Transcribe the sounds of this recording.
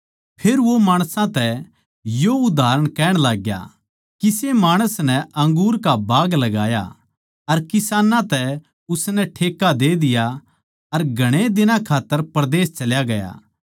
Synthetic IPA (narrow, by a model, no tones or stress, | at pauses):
pʰeːɾʋomaːɽ̃sãt̪ɛ | joʊd̪aːɾəɽ̃kɛːɽ̃laːɡja̰ | kisemaːɽ̃əsnɛʔɐ̃ŋɡuːɾkabaːɡlɐɡaːja̰ | ɐɾkɪsaːnãt̪ɛ | ʊsnɛʈʰeːkːad̪ed̪ɪja | ɐɾɡʱɐɽ̃ed̪ɪnãkʰaːt̪ːəɾpɾd̪eːst͡ʃɐljaɡɐja̰ː